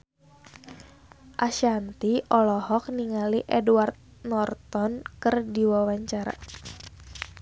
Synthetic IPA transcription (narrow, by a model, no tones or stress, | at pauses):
ʔaʃant̪iʔɔlɔhɔk̚niŋaliʔɛduart̪̚ | nɔrt̪ɔnkɨrdiwawaɲt͡ʃaɾa̰